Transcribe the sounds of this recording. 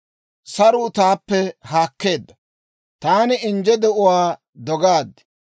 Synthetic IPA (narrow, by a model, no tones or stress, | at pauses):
sɐɾʊt̪aːpːɛhaːkːe̞ːd̪ːɐ | t̪aːnɪɪnd͡ʒɛd̪ɛʔʊwaː | d̪ɔɡaːd̪ɪ̥